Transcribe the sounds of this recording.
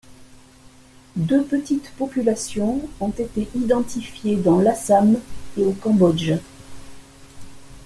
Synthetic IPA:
d̪øpət̪it̪pɔpylasjɔ̃ɔ̃t̪et̪eʔid̪ɑ̃t̪ifjed̪ɑ̃lasameokɑ̃bɔd͡ʒ

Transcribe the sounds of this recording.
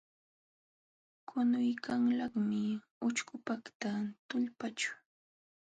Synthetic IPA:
kʰʊnʊjkʰaŋlɑχmɪ | ʊt͡ʃkʊpɑkt̪at̪ʊʎpat͡ʃʊ̥

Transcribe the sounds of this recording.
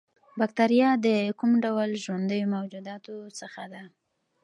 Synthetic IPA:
bakt̪aɾijɑd̪əkumɖawlʒwand̪əjomawd͡ʒud̪ɑt̪osəxad̪a

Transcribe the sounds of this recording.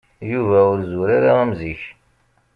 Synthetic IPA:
juvæʊɾzuɾaɾaəmziç

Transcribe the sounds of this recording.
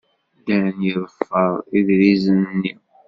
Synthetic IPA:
d̪ænjəðˤfːəðˤiðɾizənnːi

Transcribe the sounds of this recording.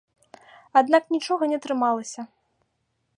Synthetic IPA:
ad̪naknʲit͡ʂɔɣɐnʲɛt̪ɾɨmalˠɐsʲɐ

